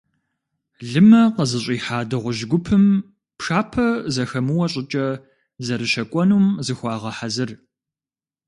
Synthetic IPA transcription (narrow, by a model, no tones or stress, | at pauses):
ɮɨmɐqəzɨɕʷʼiːħaːdɐʁʷʊʒɡʷʊpʰɨm | pʂaːpʰɐzɐxɐmɨwɐɕʼɪt͡ʃʼɐ | zɐɾɨʃɐkʷʼɔnuːmzɨxʷɑːʁɐħazɨr